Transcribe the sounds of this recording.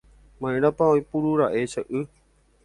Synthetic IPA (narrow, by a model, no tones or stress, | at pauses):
mãjɾ̃ãpaojpuɾuɾaʔet͡ʃəʔɨ